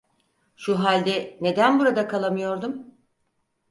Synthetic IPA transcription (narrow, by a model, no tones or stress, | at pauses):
ʃuɦalʲd̪ɛne̞d̪ænbuɾad̪akʰalˠamɯjo̞ɾd̪um